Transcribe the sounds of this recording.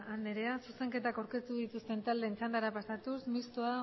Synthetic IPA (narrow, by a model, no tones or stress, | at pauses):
ane̞ɾe̞asuse̞ŋke̞t̪akawɾke̞t̪uðit̪ust̪e̞nt̪ald̪e̞nt͡sand̪aɾapasat̪usmist̪oa